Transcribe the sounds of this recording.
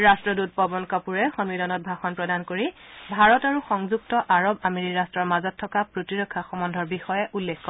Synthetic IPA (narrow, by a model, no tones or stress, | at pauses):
ɹastɹɔdut̚pɔbɔnkapuɹɛxɔnwidɔnɔt̚bʱaxɔnpɹɔdankoɹibʱaɹɔtaɹuxɔŋzuk̚tɔʔaɹɔbameɹiɹastɹɔɹmazɔtʰːɔkapɹotiɹɔkʰːaxɔmɔndʱɔɹbixɔjɛʔulːekʰkɔ